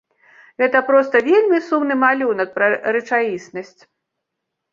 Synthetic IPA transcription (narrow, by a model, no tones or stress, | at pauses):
ɣɛt̪ɐpɾɔst̪ɐvʲelʲmʲisumnɨmalʲunɐk̚pɾɐɾɛt͡ʂajʲisnɐsʲt͡sʲ